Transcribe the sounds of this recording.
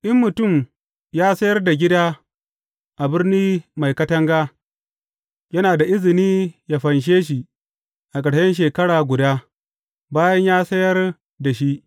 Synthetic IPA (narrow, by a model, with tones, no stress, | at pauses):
ʔɪ˦mːʊ˨tʊ˦˨m | jaː˦sɐ˦jɐ˦rda˨ɡʲɪ˦daː˦ | ʔa˨bɪ˦rniː˦ma˨jkɐ˦tɐ˦ŋɡaː˦ | jɐ˦naː˨da˨ʔɪ˦zɪ˨niː˦ja˨ɸɐ˨nʃ̬eː˦ʃ̬i˨ | ʔa˨kɐ˨ɽʃɐ˦nʃ̬eː˨kɐ˦ɽaː˨ɡʷʊ˨daː˦ | baː˦jɐ˦ɲjaː˦sɐ˦jɐ˦r | da˨ʃi˦ʔ